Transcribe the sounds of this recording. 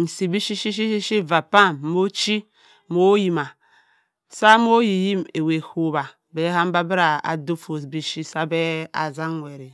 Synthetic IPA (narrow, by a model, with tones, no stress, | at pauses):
n̩˨si˨bi˦ʃi˦ʃi˦ʃ̬i˦i˦ʃi˦va˨pa˦˨mmo˦t͡ʃi˦ | mo˦ji˨ma˨ | sa˦mo˦ji˨ji˦me˨we˨ho˨ba˨ | be˨˦ɦa˦m˦ba˦bi˦ɾa˨a̰˨do˦fo˨sbi˦ʃi˦sa˦be˦a̰˨za˦n˦wʷe˨ɾi˨